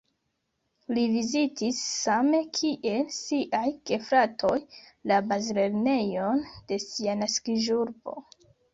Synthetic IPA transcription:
livizitisːame̞kʰiʔe̞lsiʔajke̞fɾatʰo̞jlabazle̞ɾne̞jond̥e̞sianaskiʒuɾbo̞̰

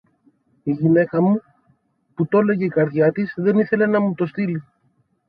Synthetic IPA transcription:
iʝine̞kɐmu | put̪o̞le̞ʝe̞ikɐɾðʝɐt̪isðe̞niθe̞le̞nɐmut̪o̞st̪ili

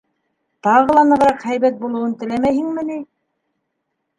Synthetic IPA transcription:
t̪ɑʁɤ̆lˠɑnɤ̆ʁ̆ɾɑqhæjβæt̪̚bulˠɤ̆wɤnt̪ɘ̆læmæjhɘŋmɘ̆nij

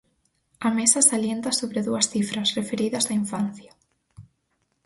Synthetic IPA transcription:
ɐmesɐsaljent̪ɐsoβɾeðuɐsθifɾɐsrefeɾiðɐzðɐiɱfanθjɐ

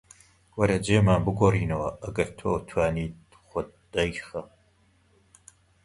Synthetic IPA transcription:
wɐɾɐd͡ʒeːmaːnbɨɡʷoːriːnɐwɐʔɐɡɐɾt̪ʰoːt̪ʰwaːniː | χʷʊd̪̚ | d̥ɐjχɐ

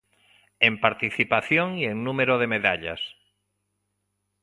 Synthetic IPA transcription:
empaɾt̪iθipaθjoŋieŋnumeɾoðemeðaʎa̰s

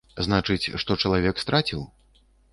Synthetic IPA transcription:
znat͡ʂɨt͡sʲʂt̪ɔt͡ʂɐlˠavʲɛkst̪ɾat͡sʲiw

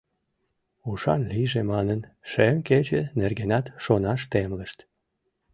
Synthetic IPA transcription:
uʃɑ̰nliʒemɑnənʃemket͡ɕenerɣenɑt̪ʃonɑʃt̪emləʃt̪

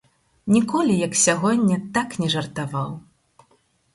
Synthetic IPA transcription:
nʲikɔlʲijɐksʲaɣɔnʲːɐt̪aknʲɛʐɐrt̪avaw

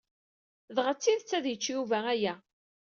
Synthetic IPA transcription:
ðʁət͡sːiðt͡sːæðjət͡ʃːjuvææjæ

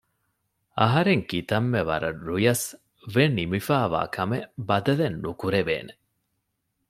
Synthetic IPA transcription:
ɐɦɐɾeŋkit̪ɐmːeʋɐ̰ɾɐɾujɐs | ʋenimifaːʋa̰ːkʰɐmebɐd̪ɐlenːukuɾeʋḛːne

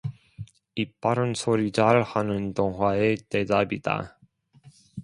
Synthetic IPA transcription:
ip͈aɾɯnsʰoɾit͡ɕaɭhanɯntoŋɦwaete̞dabid̥a̰

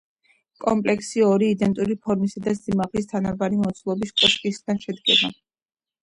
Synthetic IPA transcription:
kʼɔmpʼlɛksiɔɾiːd̪ɛnt̪ʼuɾipʰɔɾmisad̪asimaʁlist̪ʰanabaɾimɔt̪sʰlˠɔbiskʼɔʃkʼisɡanʃɛd̪ɡɛba

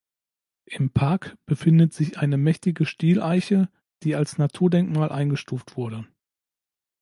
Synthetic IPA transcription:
ʔɪmpʰaɐkb̥əfɪndətz̥ɪçʔaɪnəmɛçtɪɡəʃtiːlʔaɪçə | d̥iːalsnatʰuːɐdɛŋkmaːlʔaɪnɡəʃtuːftv̥ʊɐɾə

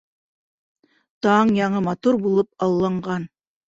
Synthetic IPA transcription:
t̪ɑɴjɑɴɤmɑt̪uɾbulˠɤp̚ɑlˠːɑɴɢɑn

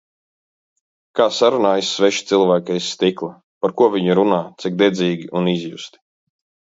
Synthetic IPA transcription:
kaːsaɾunaːjisːvɛʃt̪silˠvæːkɛjsːt̪iklˠa | paɾkuɔviɲuɾunaːt̪sik̚d̪ɛd̪ziːɡʲiʔunizjust̪i̥

